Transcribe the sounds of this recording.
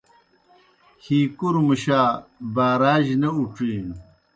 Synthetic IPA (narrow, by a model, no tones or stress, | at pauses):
hiːkuɾmuɕaːbaːɾaːʑnɐuʈ͡ʂiːn